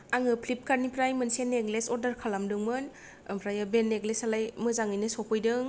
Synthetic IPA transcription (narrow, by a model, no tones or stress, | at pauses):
aŋɯpʰlip̚kaɾnipɾajmɯnseneɡlesɔɾdɐɾkʰalamdɯŋmɯn | pʰɾajabenːeɡlesalajmɯzaŋɯjnɯsɔpʰɯjdɯŋ